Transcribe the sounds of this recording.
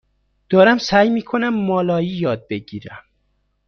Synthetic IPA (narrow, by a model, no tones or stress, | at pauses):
d̪̥ɒːɾæmsæjmiːkʰonæmːɒːlɒːjiːjɒːd̪̚beɟiːɾæm